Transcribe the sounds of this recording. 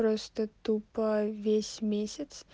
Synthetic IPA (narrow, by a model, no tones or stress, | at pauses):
ɾost̪ət̪upəvʲesʲmʲesʲɪt̪s